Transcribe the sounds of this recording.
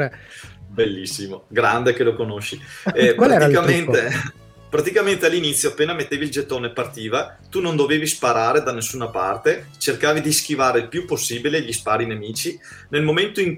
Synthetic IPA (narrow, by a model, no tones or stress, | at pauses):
belːisːimoɡɾand̪ekelokonoʃːiɛpɾat̪kament̪e | pɾat̪ikament̪ealːinit̪sːjoapːeːnamet̪ːeːvild͡ʒet̪ːoːnepart̪iːva | t̪unond̪oveːvispaɾaːɾed̪anesːuːnapa̰rt̪et͡ʃerkaːvid̪isk̟ivaːɾeilpjupːosːiːbileʎispaːɾinemiːt͡ʃi | nelmoment̪oiŋk